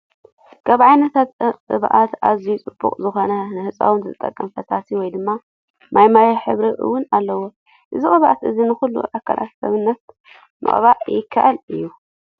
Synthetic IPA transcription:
kʰaβʕajnɐt̪ʰat̪ɨβʔat̪azijut͡sʼɨbːṵkʼzɨxo̞nɐnɨhɨt͡sʼa̰wɨnzɨt̪ʼːɐkʼːɐmfɐsasiwɔjd̪ɨmːa | mʔajmajɐħɨβɾiʔɨ̰wːʊnalːɐwo | ʔɨziʔʼɨβʔat̪ʔɨzinɨxulːṵʕakʰːɐ̰lʔa̰t̪sɐβɨnːɐt̪ | nɨ̰ʔʼβaʔjɪkʰːaʔalɨjːu

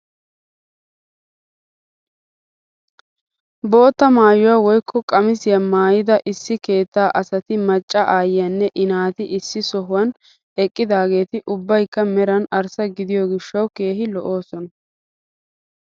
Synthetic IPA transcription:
bo̞ːt̪ːɐmaːjʊwaːwɔjkʰːɔkʼɐmɪsɪjɐmaːjɪd̪ɐʔɪsːɪke̞ːt̪ːaːʔɐsɐt̪ɪmɐt͡ʃʼːɐʔaːjɪjɐnːɛʔɪnaːt̪ɪʔɪsːɪsɔɦʊwɐn | ɛkʼːɪd̪aːɡe̞ːt̪ɪʔʊbːɐjkːɐmɛɾɐnɐɾsɐɡɪd̪ɪjɔɡɪʃːɐwke̞ːɦɪlɔʔo̞ːsɔnɐ

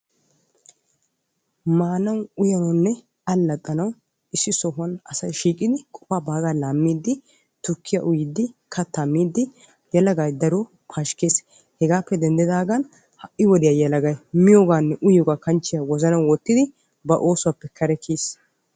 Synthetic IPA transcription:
maːnɐwʊjɐnɐnːɛ | ɐlːɐt̪ʼːɐnɐw | ɪsːɪsɔɦɐnɐsɐjʃiːkʼːɪd̪ɪkʼɔ̥paːbaːɡaːlaːmːiːd̪ːɪ | t̪ʊkʰːɪja̰ʔʊjɪd̪ːɪkʰɐt̪ːamːiːd̪ːɪ | jɐlɐɡajd̪ɐɾɔ | pʰaːʃkeːs | hɛɡaːpːɛd̪ɛnd̪ɛd̪aːɡɐn | hɐʔʔːɪwɔd̪ɪjaːjɐlɐɡɐjmɪjoːɡaːnːɛʔʊjɔːɡaːkɐnt͡ʃːɪjawɔzɐnɐwwɔt̪ːɪd̪ɪ | bɐʔo̞ːsʊwaːpːɛkʰɐɾɛkʰiːs

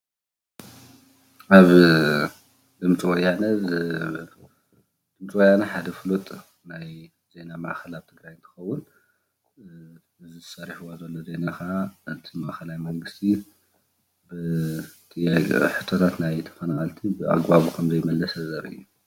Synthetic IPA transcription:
ʔaβ | d̪ɨmt͡sʼiwɔjːanɐ | d̪̥ɨmt͡sʼiwɔjanɐħad̪ɐflut̪ʼ | naj | z̥e̞nama̰ʔxɐlaβt̪ʰɨɡɾajɨnt̪ʰɐ̥xɐwːʊn | ɨzɨzsɐɾiħuwazɐlːoze̞nakʰaʔɨt̪ʰimaʔxɐlajmɐŋɡɨst̪ʰi | bɨt̪ʰɨjaħɨt̪ʰːot̪ʰat̪najt̪ʰɐ̥fɐnaxʼɐlt̪ʰibɨʔa̰ɡbaβukʰɐmzɐjmɐlːɐsɐzɐɾɨ̰jːu

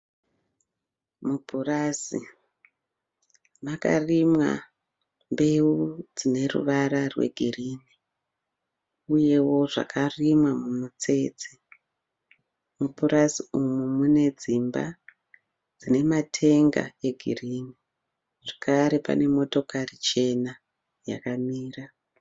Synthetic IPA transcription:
mubʱurasḭ | maka̰rimwa̰ | mbe̞ud͡zine̞rṵʋaɾarwe̞̰ɡʱiriːni | uje̞wo̞ʐa̰karimwamumut͡se̞t͡si | mupurasiumumune̞d͡zimba̰ | d͡zine̞matʰe̞ŋɡa̰e̞ɡʱiriːni | ʐekaɾe̞pa̰ne̞mo̞to̞karit͡ʃe̞na | ja̰kamiːra

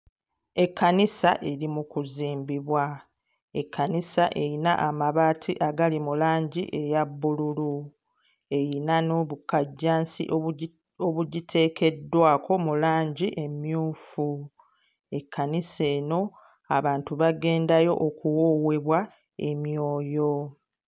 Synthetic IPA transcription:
e̞kːanisaʔe̞ɾimukuziːmbiβwa | e̞kʰːanisaʔe̞jina̰ʔamaβaːtʰiʔaɡalimulaːɲɟḭʔe̞jabːululu | e̞jinano̞ːβukaɟːaːnsḭʔ | oβuɟitʰe̞ːke̞dːwaːko̞mulaːɲɟiʔe̞mjuːfu | e̞kʰːanise̞ːno̞ | aβaːntuβaɡe̞ːndajo̞̰ʔokuwoːwe̞βwa | e̞mjo̞ːjo̞

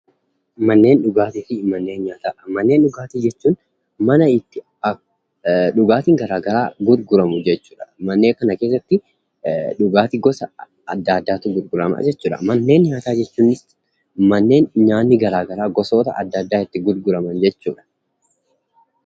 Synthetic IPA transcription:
mɐnːe̞ːnᶑʊɡaːt̪ɪfɪmɐnːe̞ːnɲaːt̪aːmɐnːeːnɗʊɡaːt̪ɪd͡ʒɛt͡ʃːuːn | mɐnɐɪt̪ːɪ | ɐ | ᶑʊɡaːt̪ɪŋɡɐɾaːɡɐɾaːɡʊɾɡʊɾɐmʊd͡ʒɛt͡ʃːuːᶑɐ̥mɐnːe̞ːŋkɐnɐke̞ːsːɐt̪ːɪ | ᶑʊɡaːt̪ɪɡɔsɐ | ɐd̪ːaːd̪ːaːt̪ɪɡʊɾɡʊɾɐma̰ːd͡ʒɛt͡ʃːuːᶑɐ̰mɐnːe̞ːnɲaːt̪aːd͡ʒɛt͡ʃːuːnːɪs | mɐnːe̞ːnɲaːnːɪɡɐɾaːɡɐɾaːɡɔsoːt̪ɐ̰ʔɐ̰d̪ːɐd̪ːaːɪt̪ːɪɡʊɾɡʊɾɐmɐnd͡ʒɛt͡ʃːuːᶑɐ̥

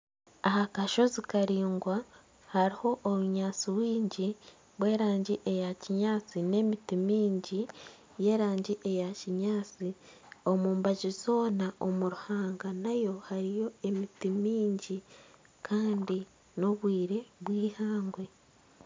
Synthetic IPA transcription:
ahakaʃo̞zikaɾiːŋɡwa | haɾiho̞ʔːmuɲaːt͡siwiːɲɟi | βwe̞ːɾaːɲɟiʔe̞jaciɲaːt͡sine̞mitimiːɲɟi | je̞ːɾaːɲɟiʔe̞jaciɲaːt͡si | o̞muːmbaʒizo̞ːnaomuɾuhaːŋɡanajo̞haɾijo̞e̞mitimiːɲɟi | kʰaːndi | no̞βwiːɾeβwiːhaːŋɡwe̞

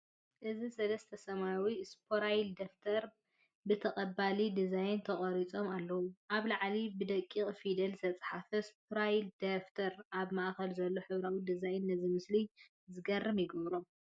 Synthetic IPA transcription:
ʔɨzisɐlɐst̪ʰɐsɐmawispʰoɾajld̪ɐft̪ʰɐɾ | bɨt̪ʰɐχʼɐbalid̪izajnt̪ʰɐχʼɐɾit͡sʼo̞malːɐwuʔaβlaʕlibɨd̪ɐkʼːiχʼfid̪ɐlzɨt̪ʰɐt͡sʼħafɐspʰɾajld̪ɐft̪ʰɐɾʔaβmaʔkɐlzɐlːo̞ħɨβɾawid̪izajnːɐzimɨsli | zɨɡɐrːɨmjɪɡɐβɾo̞m

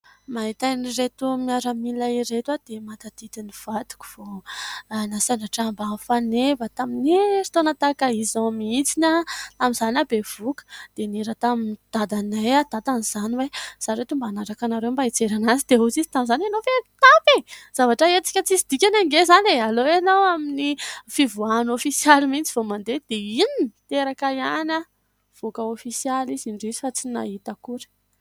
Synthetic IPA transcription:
maɦit̪aniret̪umiaɾəmilaiɾet̪wad̪̥emat̪ad̪̥id̪iniv̥ad̪̥u̥ku̥v̥oanasanaʈ͡ʂambafanevət̪aminiɾi̥t̪onət̪akaizãmiit͡sinat̪amizanabev̥ukə̥d̪̥eniɾat̪amind̪̥ad̪anajad̪ad̪aniz̥aniwez̥aɾet̪umbanaɾakanaɾewmbait͡seɾanazid̪eut͡sizi̥t̪amizananofet̪apez̥avaʈ͡ʂəet͡si̥kʲət͡sisid̪̥ikʲanaŋɡezanealoenowaminifivuanofisialimint͡si̥vomand̪ed̪̥einint̪eɾakaiana | v̥ukəofisializiɳɖ͡ʐizi̥fat͡sina̰ɦit̪əkuɾi̥

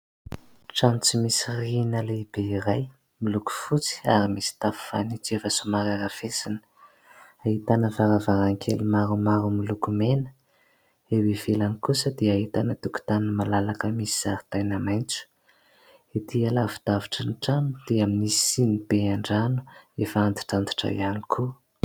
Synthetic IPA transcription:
ʈ͡ʂanut͡simisirinəleib̥eiɾaj | miluku̥fut͡si̥aɾimisi̥t̪afu̥fa̰nit͡siefəsumaɾaɾafesinə̥ | aɦit̪anəvaɾavaɾaŋkʰḛlimaɾumaɾumilukumenə̥ | ewevelanikusəd̪eait̪anət̪uku̥t̪anəmalalakəmisi̥z̥aɾit̪ajnamajnt͡su̥ | et̪ialavid̪̥aviʈ͡ʂənʈ͡ʂanud̪̥eaminisi̥sinib̥eaɳɖ͡ʐanu̥efaand̪i̥ʈ͡ʂant̪i̥ʈ͡ʂa̰j̰anikʰu

